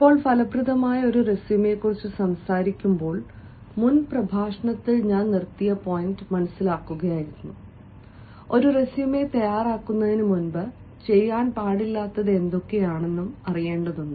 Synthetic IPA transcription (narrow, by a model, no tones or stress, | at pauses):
ipːo̞ːɭpʰɐlɐpruðɐmaːjɐo̞ɾuresime̞kːurit͡ɕːɨsɐmsaːɾikʲːumbo̞ːɭ | munprɐbʱaːʂɐɳɐt̪ːilɲaːnnirt̪ːijɐpo̞ːjindɨmɐnɐsːilaːkːuɣɐjaːjiɾunːu | o̞ɾuresimet̪ɐjaːraːkːunːɐðinɨmunbɐ | t͡ɕe̞jːaːnpaːɽilːaːt̪ːɐðe̞nd̪o̞kːe̞jaːɳe̞nːumɐrije̞ːɳɖɐðuɳɖɨ